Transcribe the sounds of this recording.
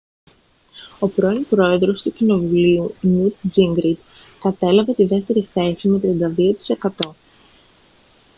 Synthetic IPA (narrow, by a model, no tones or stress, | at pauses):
o̞pɾo̞inpɾo̞e̞ðɾo̞st̪ucino̞vuliunut̪ziŋɡɾid̪ | kɐt̪e̞lɐvet̪iðe̞ft̪e̞ɾiθe̞sime̞t̪ɾiɐnd̪ɐðio̞t̪i̥se̞kɐt̪o̞